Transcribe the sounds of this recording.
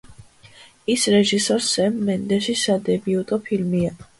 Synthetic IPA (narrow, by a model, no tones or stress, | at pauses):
isɾɛʒisɔɾsɛmːɛnd̪ɛʃisad̪ɛbiut̪ʼɔpʰilmia